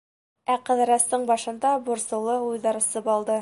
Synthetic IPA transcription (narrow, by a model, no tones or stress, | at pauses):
æqɤ̆ðɤ̆ɾɑst̪ɤɴbɒʃɤ̆nd̪ɑbuɾsɤ̆lˠɤujðɑɾɤsɤpɑlˠd̪ɤ